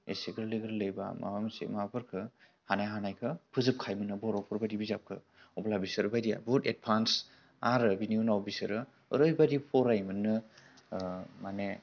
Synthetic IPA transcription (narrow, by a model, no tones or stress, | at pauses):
ḛseɡɯɾlɯɡɯɾlɯjba̰ma̰bamasḛmabʰɯɾkʰɯ | hanajɦanajkʰɯpʰɯzɯp̚kʰajmɯnɯbɔɾɔpʰɯɾbajdibizap̚kʰɯ̰ | ɔblabisɯɾɯbajdija̰buted̚pʰans | aɾɯbiniunawbisɯɾɯ | ɯɾɯjbadipʰɔɾajmɯnɯ | mane